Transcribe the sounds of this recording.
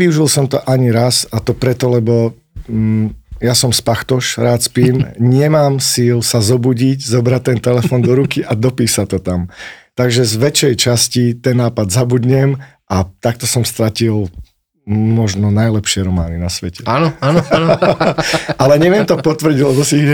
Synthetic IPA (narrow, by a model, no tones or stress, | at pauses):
iuʒilsɔmt̪ɔʔaɲiɾasat̪ɔpɾɛt̪ɔlɛbɔ | jasɔmspaxt̪ɔʃɾaːt̪spiːmɲɛmaːmsilsazɔbuɟiɟzɔbɾac̚t̪ɛnt̪ɛlɛffɔːnd̪ɔɾukiʔad̪ɔpiːsat̪ːɔt̪amt̪aɡʒɛzʋɛt͡ʃɛjt͡ʃascit̪ɛnːaːpad̪zabud̪ɲɛm | ʔat̪ak̚t̪ɔsɔmst̪ɾacil | mɔʒnɔnajlɛpʃɪɛɾɔmaːninasʋɛcɛanɔan | ʔalɛɲɛʋɪɛmt̪ɔpɔt̪ʋr̩ɟiɟlɛbɔsiiɛ